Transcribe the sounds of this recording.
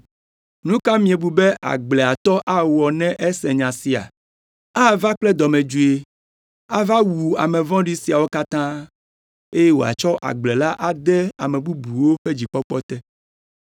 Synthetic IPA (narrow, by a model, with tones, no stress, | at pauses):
nũ˦ka˦mĩ˦e˨bu˨bɛ˦ʔa̰˨ɡ͡blɛ˨a˨t̪ɔ˦ʔa˦wɔ˨nɛ̃˦ʔe˦sɛ̃˨ɲã˨si˨a̰˨ | a˦va˦k͡plɛ˦d̪ɔ˨mɛ̃˨d͡ʒu˨e˨ | a˦va˦wu˨a̰˨mɛ̃˨vɔ̃˦ɖi˦si˨a˨wo˦ka˦t̪ã˦ | e˦je˦wo̰˨a̰˨t͡ʃɔ˦ʔa̰˨ɡ͡blɛ˨la˦ʔa˨d̪ɛ˦a̰˨mɛ̃˨bu˦bu˨wo˦ɸe˦d͡ʑi˨k͡pɔ˦k͡pɔ˦t̪ɛ˦